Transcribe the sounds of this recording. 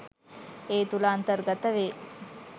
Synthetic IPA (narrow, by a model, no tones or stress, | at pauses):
eːt̪ulaːnt̪əɾɡɐt̪əʋeː